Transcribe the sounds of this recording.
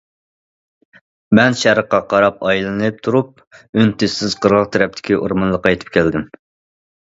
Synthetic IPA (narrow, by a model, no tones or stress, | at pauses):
mɛnʃæɾəqːɑqʰɑɾɑpɑjlˠɨnɨp̚t̪ʰuɾup̚ | ønt̪ʰɪsɪz̥qəɾʁəʁt̪ʰɛɾɛp̚t̪ʰɪ̥kʲiʔoɾmɑnlˠəqːɑjt̪ʰɨ̥p̚kʲæld̪ɪm